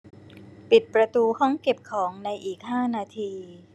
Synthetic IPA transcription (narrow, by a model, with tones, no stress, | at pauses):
pi˨˩t̪̚pɾa˧t̪uː˧hɔ˥˩ŋke˨˩p̚kʰɔː˩˦ŋna˧jʔiː˨˩k̚haː˥˩naː˧t̪ʰiː˧